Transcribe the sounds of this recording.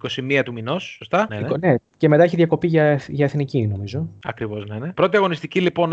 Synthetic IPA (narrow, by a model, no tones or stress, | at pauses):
iko̞simiɐt̪uminosːost̪ɐneone̞ce̞met̪ɐeçiðʝɐko̞piʝɐʝɐeθnicino̞mizo̞ɐ̰kɾivo̞znenepɾo̞t̪iɐɣo̞nist̪icilipo̞n